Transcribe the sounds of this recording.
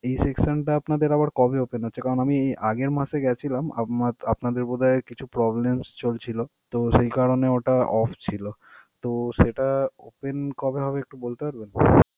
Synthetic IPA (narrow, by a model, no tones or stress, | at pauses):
ejseksonʈaapnad̪eɾaβaɾkɔbeopenɦotːɕʰekaɾonamieʔaɡeɾmaʃeɡɛt͡ɕʰilama̰aapnad̪eɾbod̪ʱaeɾkit͡ɕʰupɾɔblemst͡ɕolt͡ɕʰilot̪oʃejkaɾoneoʈaɔfʰt͡ɕʰilot̪oʃeʈao̰penkɔbeɦɔbeek̚ʈubolt̪epaɾbena